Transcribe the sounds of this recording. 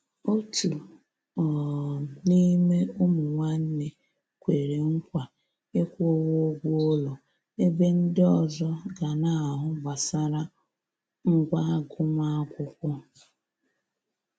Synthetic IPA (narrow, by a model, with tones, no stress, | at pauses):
o˦tu˨ | ɔ˨ni˦me˦ʊ˦mʊ˨ŋʷa˦n̩˦ne˨ | kʷe˨ɾe˨ŋ̩˦kʷa˨ | e˦kʷo˦wo˦ɡʷu˦o˦lɔ˨ | e˦be˦n̩˦dɔ˨zɔ˦ɡa˨na˦a˨ɦʊ˦ba˨sa˦ɾa˦ | ŋ̩˦ɡʷa˦ɡʊ˦ma˦a˦kʷʊ˦kʷʊ˦